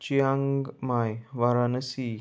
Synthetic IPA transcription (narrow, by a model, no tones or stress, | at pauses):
t͡ɕiaŋɡɡmajʋaɾanəsi